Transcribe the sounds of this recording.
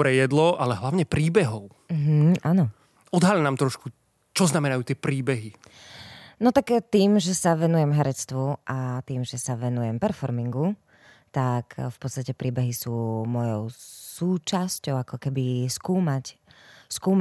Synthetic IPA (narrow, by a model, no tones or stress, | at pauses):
ɾɛjɛd̪lɔʔalɛɦlaʊɲɛpɾiːbɛɦɔʊ | m̩ɦ̩ʔanɔ | ɔd̪ɦaʎnaːmt̪ɾɔʃku | t͡ʃɔznamɛnajuːt̪ɪɛpɾiːbɛɦi | nɔt̪akt̪iːmʒɛsaʋɛnujɛmɦɛɾɛt͡st̪ʋuʔat̪iːmʒɛsaʋɛnujɛmpɛɾfɔɾmiŋɡu | t̪akfpɔt̪t͡sst̪acɛpɾiːbɛɦisuːmɔjɔʊsuːt͡ʃascɔʊakɔkɛbiskuːmacskuːm